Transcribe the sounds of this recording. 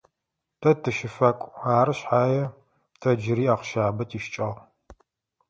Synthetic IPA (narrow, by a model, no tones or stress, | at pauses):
tʰɐtʰɨʃɪfɐkʷʼaːɾɨɕħaːjɛ | tʰɐd͡ʒɪɾiːaːqʃaːbɐtʰiːʃt͡ʃʼɐʁ